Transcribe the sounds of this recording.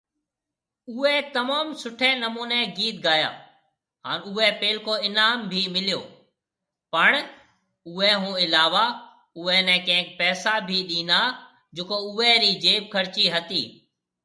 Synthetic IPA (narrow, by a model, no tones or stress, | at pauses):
ʊɦɛt̪ɐmaːmsʊʈʰɛ̃ːnəmuːnɛ̃ɡiːt̪̚ɡaːja̰ː | ɦaːnʊɦɛpeːlkoːɪnaːmbʱiːmɪlijo̰ː | pəɳ̃ | ʊɛɦũːɪlaːʋa | ʊɛnɛ̃ːkɐ̃ɦɪ̃ŋk̚pɛːsabʱiɗĩːnd̪aː | d͡ʒʊkoʊɛɾiːd͡ʒeːb̚kʰəɾt͡ʃiɦət̪iː